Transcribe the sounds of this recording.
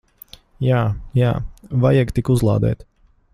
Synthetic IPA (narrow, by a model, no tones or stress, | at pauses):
jaːjaːvajɛɡt̪ikuzlˠɑ̰ːd̪ɛ̰ːt̪